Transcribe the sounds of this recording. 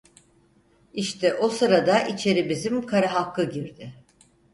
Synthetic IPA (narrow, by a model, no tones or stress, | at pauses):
iʃt̪ʰɛʔo̞sɯɾad̪aʔit͡ʃʰe̞ɾibizimkʰaɾaɦakːɯɟiɾd̪ɪ